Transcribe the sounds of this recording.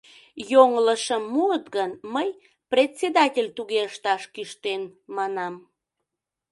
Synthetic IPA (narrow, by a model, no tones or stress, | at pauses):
joŋləʃəmːuət̪ɣənməj | pret̪sed̪ɑtʲelʲt̪uɣeəʃt̪ɑʃkyʃt̪enmɑnɑm